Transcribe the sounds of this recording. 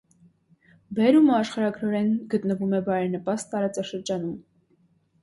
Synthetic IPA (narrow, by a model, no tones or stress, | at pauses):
bɛɾumɑʃχɑɾɑɡɾɔɾɛnɡət̪nəvumɛbɑjɾɛɾnəpɑst̪t̪ːɑɾɑt͡sɑʃəɾd͡ʒɑnum